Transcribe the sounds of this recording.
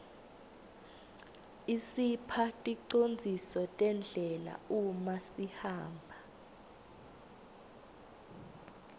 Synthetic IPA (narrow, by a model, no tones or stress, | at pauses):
isipʰatʼiǀond͡zʱisɔtʼɛnd͡ɮʱɛla̰umasihaːmbʱa